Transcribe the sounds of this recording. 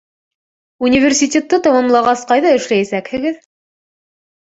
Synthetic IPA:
unʲivʲersʲitʲet̪ːɤt̪ɑ̆mɑmlˠɑʁɑsqɑjðɑɘ̆ʃlæjæsækhɘ̆ɡɘð

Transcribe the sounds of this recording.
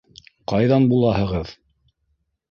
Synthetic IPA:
qɑjðɑnbulˠɑɦɤ̆ʁɤð

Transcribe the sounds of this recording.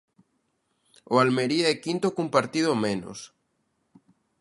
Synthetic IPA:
oalmeɾiaɛkint̪okumpaɾt̪iðomeno̰s

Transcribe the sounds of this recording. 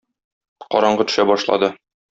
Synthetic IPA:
qɒɾɑɴɢɤt̪ɵ̥̆ʃæbɒʃlˠɑ̰d̪ɤ

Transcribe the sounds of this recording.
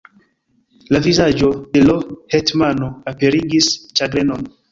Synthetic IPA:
lavizad͡ʒodelohetmanoape̞ɾiɡist͡ʃaɡɾenon

